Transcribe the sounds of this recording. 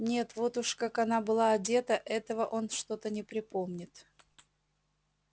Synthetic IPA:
nʲe̞t̪vo̞t̪ʊʂkakɐnabɨlˠaɐdʲe̞t̪əʔɛt̪əvəʔo̞nʂt̪o̞t̪ənʲɪpɾʲɪpo̞mnʲɪt̪

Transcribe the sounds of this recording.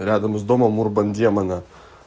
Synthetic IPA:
ɾʲæːd̪ɐmɐsd̪oːmɐmuɾbɐnʲd̪ʲiɛmɐnʲɛ

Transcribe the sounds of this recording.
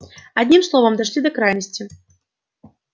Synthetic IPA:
ad̪ʲnʲimslˠɔvɐmd̪aʂlʲid̪ɐkɾajnəsʲt͡sʲi

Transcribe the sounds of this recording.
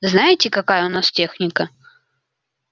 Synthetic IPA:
ɨznajɪtʲɪkɐkajəʊnastʲexnʲɪkə

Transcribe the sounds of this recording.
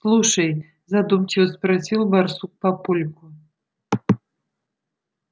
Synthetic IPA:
slˠuʂɐj | zad̪umt͡ɕɪvəsprasʲilˠbarsuk̚papulʲkʊ

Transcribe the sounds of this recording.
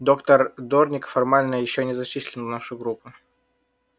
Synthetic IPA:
d̪o̞kt̪ərd̪ornʲɪkfɐrmalʲnəjɪɕːonʲɪzɐt͡ɕisʲlʲɪnnaʂʊjɡɾupːʊ

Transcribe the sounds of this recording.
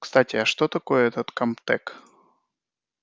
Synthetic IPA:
kst̪atʲɪɐʂt̪ot̪ɐkojəɛt̪ət̪kɐmpt̪ɛk

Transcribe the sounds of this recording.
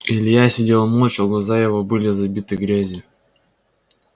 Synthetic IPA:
ilʲjasʲɪdʲelˠmˠot͡ɕɔɡlˠazajɪvobɨlʲɪzɐbʲit̪ɨɡɾʲazʲɪ

